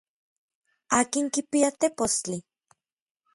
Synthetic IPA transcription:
aːkiŋkipiat̪epost͡ɬi

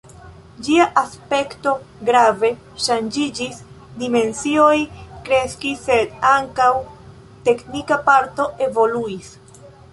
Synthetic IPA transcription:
d͡ʒiaʔaspe̞kto̞ | ɡɾave̞ | ʃand͡ʒid͡ʒis | dime̞nsio̞jkɾe̞skisːe̞daŋkaw | te̞knikapaɾto̞ʔe̞vo̞luis

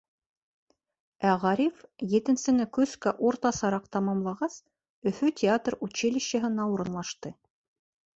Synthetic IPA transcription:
æʁɑɾʲifjɘ̆t̪ɘ̆nsɘ̆nɘkʉskæʔuɾt̪ɑsɑɾɑq̚t̪ɑmɑmlˠɑʁɑs | ɵ̆fʉtʲɪat̪rut͡ɕelʲiɕɘ̆ɦɘ̆nɑuɾɤ̆nlˠɑʃt̪ɤ

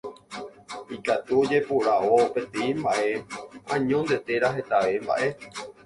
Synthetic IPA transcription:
ikat̪uod͡ʒe̞puɾaʔope̞t̪eimbaʔe̞ãɲõnd̪e̞t̪e̞ɾaɦe̞t̪aʋe̞mba̰ʔe̞

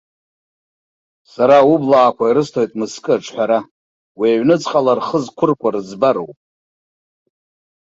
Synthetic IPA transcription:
saɾaublaːkʷʰaiɾɨstʰojtʼmɨskʼɨaʈ͡ʂʰʼħʷᶣaɾa | wiaɥnɨt͡sʼχʼalarχəzkʷʰʊrkʷʼarɨzbaɾo̰wpʼ

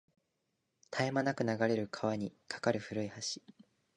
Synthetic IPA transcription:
t̪ʰaemanakɯ̟naɡaɾe̞ɾɯ̟kʰaβaɲ̟ikʰḁkaɾɯ̟ɸɯ̟ɾɯ̟ihaɕi̥

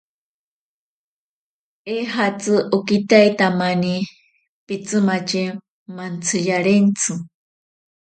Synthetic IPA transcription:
eɦat͡sɨʔukit̪ajt̪amani | pit͡sɨmat͡ʃi | mant͡sʰɨjaɾent͡sʰɨ

